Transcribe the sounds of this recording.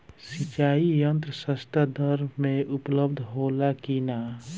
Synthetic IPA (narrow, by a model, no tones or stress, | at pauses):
sit͡ʃaːijənt̪ɾəsəst̪ad̪əɾmẽʔʊpləbd̪ʱɦoːlakina